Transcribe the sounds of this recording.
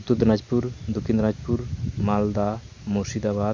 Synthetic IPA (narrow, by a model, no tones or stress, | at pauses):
t̪ud̪nad͡ʒpuɾd̪okʰĩnd̪nad͡ʒpuɾmald̪a | mosid̪aβa